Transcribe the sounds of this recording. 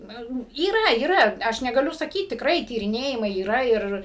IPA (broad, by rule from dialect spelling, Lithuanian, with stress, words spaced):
ˈnʊ iːˈrɐ iːˈrɐ ˈɐʃ nʲɛɡɐˈlʲʊ sɐˈkʲiːt tʲɪkˈrɐɪ tʲiːrʲɪˈnʲeːjɪmɐɪ iːˈrɐ ˈɪr